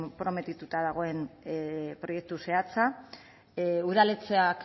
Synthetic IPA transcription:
pɾo̞me̞t̪it̪ut̪að̞aɣ̞o̞e̞m | pɾo̞je̞k̚t̪use̞at͡sa | uðalet͡seak

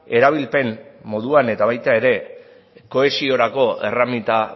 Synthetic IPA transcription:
e̞ɾaβ̞ilpe̞mːo̞ðuane̞t̪aβajt̪aeɾe̞ | ko̞e̞sio̞ɾako̞e̞ramit̪a

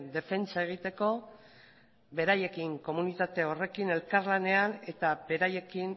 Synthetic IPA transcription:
nd̪e̞fe̞nt͡sae̞ɣ̞it̪e̞ko̞ | be̞ɾaje̞kiŋko̞munit̪at̪e̞o̞re̞kine̞lkaɾlane̞ane̞t̪abe̞ɾaje̞kin

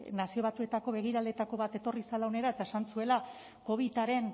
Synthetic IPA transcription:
nasio̞βat̪ue̞t̪ako̞βe̞ɣ̞iɾalet̪ako̞βat̪e̞t̪o̞risalaone̞ɾae̞t̪ae̞sansue̞la | ko̞β̞it̪aɾe̞n

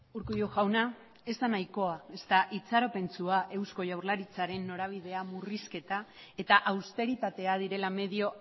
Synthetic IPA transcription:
uɾkujoʝawna | e̞zd̪anajko̞ae̞st̪aʔit͡saɾo̞pe̞nt͡suaʔe̞wsko̞ʝawɾlaɾit͡saɾe̞nːo̞ɾaβ̞iðe̞amuriske̞t̪ae̞t̪aʔawst̪e̞ɾit̪at̪e̞aðiɾe̞lame̞ðio̞

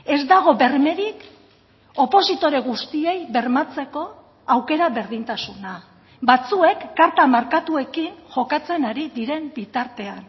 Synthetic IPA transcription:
e̞zd̪aɣ̞o̞βe̞rme̞ɾik | o̞po̞sit̪o̞ɾeɣ̞ust̪ie̞jβe̞ɾmat͡se̞ko̞ | awke̞ɾaβe̞ɾðint̪asuna | bat͡sue̞kːaɾt̪amaɾkat̪ue̞kinʝo̞kat͡se̞naɾiðiɾe̞mbit̪aɾt̪e̞an

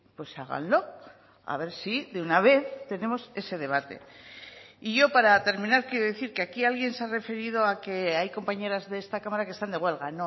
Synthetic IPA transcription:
pwe̞saɣa̰nlo̞ | a̰βe̞ɾsiðeunaβ̞e̞θt̪e̞ne̞mo̞se̞se̞ð̞e̞β̞at̪e̞̰ | iʝo̞paɾat̪e̞ɾmĩnaɾkjeɾoðeθiɾkeakialɣje̞nseare̞fe̞ɾið̞o̞ake̞ajko̞mpaɲe̞ɾazðeest̪akamaɾake̞st̪and̪e̞ɣwe̞lɣano

